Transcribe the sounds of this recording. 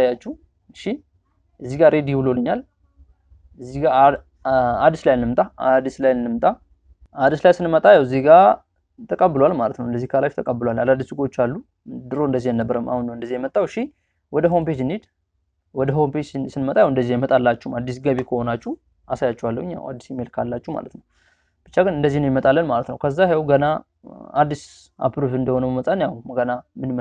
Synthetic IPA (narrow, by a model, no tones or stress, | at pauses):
ajat͡ʃːu | ʃi | ʔɨzːiɡaɾʔe̞d̪ibɨlolɨɲːal | ɨzːiɡa | ad̪ːislajɨnːɨmt̪ʼaad̪islajɨnːɨmt̪ʼa | ad̪islajsɨnmət̪ʼajɛwzːihɡa | t̪ʰəkʼəbːɨlowalmalət̪nəwɨnd̪əzːihkʰalaft̪ʰəkʼəbːɨlowalalad̪ːisɨɡo̞t͡ʃːalːu | d̪ɨɾond̪əzːihjɛnəbːəɾəma̰hunːəwɨnd̪əzːijɛmət̪ʼːawʃi | wɔd̪əɦomped͡ʒnid̪ | wɔd̪əɦomped͡ʒsɨnmət̪ʼajɛwɨnd̪əzːijɛmət̪ʼalːat͡ʃːumad̪ːisɡəβikʰəho̞nat͡ʃːu | asajat͡ʃːɛwalːəwɨɲːa̰wa̰d̪ːisjɛmːelkʰalːat͡ʃːuma̰lət̪nəw | b̥ɨt͡ʃːaɡɨnɨnd̪əzːihnəjɛmət̪ʼalːənmalət̪nəwkʰəzːahɛwɡəna | ad̪ːis | a̰pɾuvɨnd̪əho̞nəməmət̪ʼanjahuɡənamɨnmə